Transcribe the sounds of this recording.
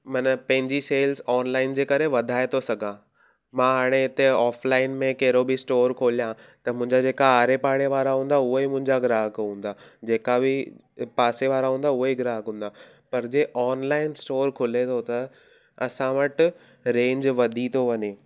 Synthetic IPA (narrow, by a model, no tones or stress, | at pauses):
mɐnəpɐ̃ɦɪ̃ɲd͡ʑiseːlsɔːnlaːɪnd͡ʑeːkɐɾeʋɐd̪ʱaːet̪ʰosɐɡʱãː | mãːɦaːɽ̃eɪt̪eɔːflaːɪnmẽkɐɦɪɾobɪsʈoːɾkʰoːlijã | t̪ɐmʊ̃ɦɪ̃ɲd͡ʑad͡ʑeːkaaːɾepaːɽ̃eʋaːɾaɦũːn̆d̪aʊɦoimʊ̃ɦɪ̃ɲd͡ʑaɡɪɾaːɦkũːnd̪ad͡ʑeːkabɪ | paːseʋaːɾaɦũːn̆d̪aʊɦoɡɪɾaːɦkɦũːn̆d̪a | pɐɾd͡ʑeʔɔːnlaːɪnsʈoːɾkʰʊlet̪ʰot̪ɐ | ɐsãʋɐʈ | ɾẽːɲd͡ʑʋɐd̪ʱit̪ʰoʋɐɲeː